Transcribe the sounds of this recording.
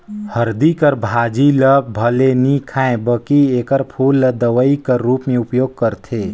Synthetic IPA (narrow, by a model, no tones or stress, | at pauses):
həɾd̪ikəɾbʱad͡ʒiləb̚bʱəlenikʰãẽbəkiekəɾpʰulːəd̪əʋəikəɾːupmeupjoːɡ̚kəɾt̪ʰe